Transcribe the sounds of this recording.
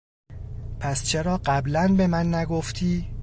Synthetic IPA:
pʰæst͡ʃʰe̞ɾɒːɢæblænbe̞mænːæɡoft̪ʰiː

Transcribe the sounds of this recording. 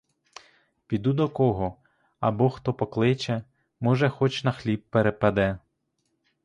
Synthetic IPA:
pʲid̪ud̪ɔkɔɦɔ | ɐbɔxt̪ɔpɔklˠɪt͡ʃɛ | mɔʒɛxɔt͡ʃnɐxlʲib̚ːeɾepɐd̪ɛ

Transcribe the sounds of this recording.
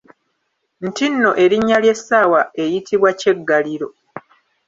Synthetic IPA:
n̩tinːo̞ʔe̞ɾiɲːalje̞sːawae̞jitʰiβwace̞ɡːaliɾo̞

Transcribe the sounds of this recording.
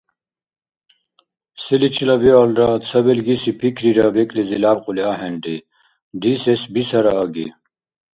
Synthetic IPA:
silit͡ɕʰilɐbialɾat͡sʰɐbelɡisipʰikʰɾiɾabekʼlizilaːbquliaɦenɖi | d̪isesbisɐɾaːɡḭ

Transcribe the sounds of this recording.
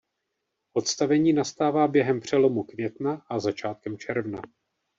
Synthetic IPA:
ʔo̞t̪st̪avɛɲiːnast̪aːvaːbjɛɦɛmpr̝̥ɛlo̞mukvjɛt̪naʔazat͡ʃaːt̪̚kɛmt͡ʃɛɾvna

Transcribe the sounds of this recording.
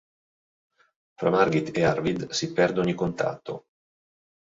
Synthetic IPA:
fɾa̰marɡit̪earvid̪sipɛrd̪oɲːikont̪a̰t̪ːo̰

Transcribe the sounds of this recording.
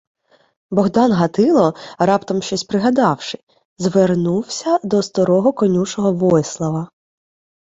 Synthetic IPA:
bɔɣd̪ɑnɦɐt̪ɪlˠɔɾɑpt̪ɔmʃt͡ʃɔsʲpɾɪɦɐd̪ɑwʃɪ | zʋernuwsʲɐd̪ɔst̪ɔɾɔɦɔkɔnʲuʃɔɦɔʋɔslˠɐʋɐ

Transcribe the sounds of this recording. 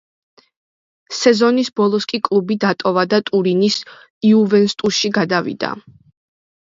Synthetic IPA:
sɛzɔnisbɔlˠɔskʼikʼlˠubid̪at̪ʼɔvad̪at̪ʼuɾinis | iuvɛnst̪ʼuʃiɡad̪avḭd̪̥a̰

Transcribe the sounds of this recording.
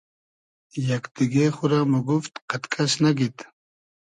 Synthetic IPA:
jɐkt̪iɡexʊɾamuɡuft̪qat̪kʰaɕnaɡit̪

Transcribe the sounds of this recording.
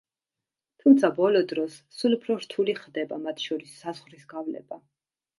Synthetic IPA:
t̪ʰumt̪sʰabɔlɔd̪ɾɔsːulupʰɾɔɾt̪ʰuliχd̪ɛbamat̪ʰʃɔɾisːazʁɾisɡavlɛ̰ba

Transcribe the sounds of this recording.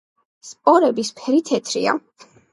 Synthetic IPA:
spʼɔɾɛbispʰɛɾit̪ʰɛt̪ʰɾḭa̰

